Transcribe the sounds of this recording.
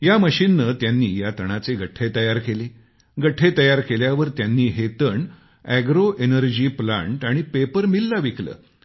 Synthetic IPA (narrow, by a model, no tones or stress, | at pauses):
jaməɕinːət̪janːiːjat̪əɽ̃at͡seɡəʈʰet̪əjaɾkele | ɡəʈʰːet̪əjaɾkeljaʋəɾt̪janːiːɦet̪əɳ | æɡɾoʔenəɾd͡ʑiːplã̰ɳʈaɽ̃ipepəɾmilːaʋiklə̰ː